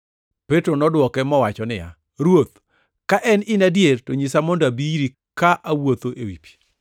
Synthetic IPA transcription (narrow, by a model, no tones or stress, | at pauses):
pɛtɾonɔdwɔkɛmɔwat͡ʃɔnɪja̰ | ɾwot̪ | kaʔɛnɪnadjeɾtoɲisamɔndoabiɾi | kaʔawot̪oʔewipi̥